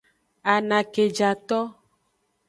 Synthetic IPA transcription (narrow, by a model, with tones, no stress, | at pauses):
a˨nã˨ke˨d͡ʒa˨t̪ɔ˦